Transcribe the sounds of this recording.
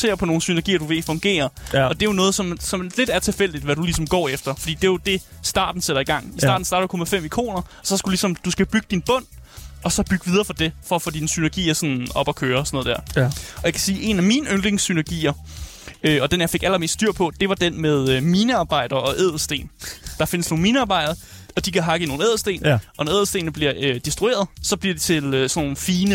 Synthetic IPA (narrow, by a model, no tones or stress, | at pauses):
sʰe̝̰ːɐpʰɒ̽no̝ːn̩synæɐɡḭːɐd̥uʋe̝fɔ̽ŋɡ̥e̝̰ːɐɒ̽d̥e̝jonɔ̽ːð̞̩ˠsɒ̽msɒ̽mle̝d̥æɐt͡sʰe̝lfel̰d̥id̥ʋæɾulis̬ɒ̽mɡ̥ɒ̰ːefd̥ɐfɒ̽d̥ḭːd̥e̝jod̥e̝ | sd̥ɑ̈ːd̥n̩seɾ̥ɐiɡ̥ɑ̈ŋ̰isdɑ̈ːd̥n̩sdɑ̈ːɾ̥ɐ̥ukʰɒ̽mæfem̰ikʰo̝̰ːnɐɒsɒ̽sɡ̥u̥d̥ulisɒ̽md̥usɡ̥æb̥yɡ̥əd̥inb̥ɔ̽n̰ɒ̽sɒ̽b̥yɡ̥əʋið̞ˠɐːfɒd̥e̝fɒ̽ɐfo̰ːd̥insynɐɡ̥ḭːɐsɒ̽nɒ̽b̥ɒ̽kʰøːɐɒsɒnɔ̽ð̩ˠd̥æɐ̰ɒ̽jɑ̈kʰæ̥siːʔe̝næmiːnəʔøn̥leŋsynæɐɡ̥ḭːɐ | øɒ̽d̥enjɑ̈ɪfe̝ɡ̥æl̰ɐme̝̰ːsd̥d̥yɐ̰pʰɒ̽d̥e̝ʋɑ̈d̥enmeðˠømiːnəɑ̈ːb̥ɑ̈ɪ̰d̥ɐɒ̽ʔeð̰̩ˠsd̥e̝̰ːnd̥ɑ̈fe̝nəsno̝ːn̩miːnəɑ̈ːb̥ɑ̈ɪd̥ɐðɐ | ɒ̽d̥ikʰæɦɑ̈ɡ̥əno̝ːn̩eðˠsd̥e̝̰ːnɒ̽nɒeðˠsd̥e̝̰ːnəb̥liɐød̥isd̥ʁue̝̰ːɐð̞ˠsɒ̽b̥liɐd̥et͡sʰe̝løsɒnoːn̩fiːnə